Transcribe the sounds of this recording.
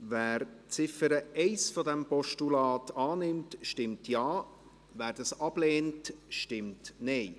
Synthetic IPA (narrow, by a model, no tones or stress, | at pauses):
væːɾt͡sɪfəɾəɛɪsfɔdɛmpɔʃtulɑːtʰɑːnɪmtʃtɪmtjɑː | væːɾdɑsɑb̥leːntʃtɪmtnɛɪ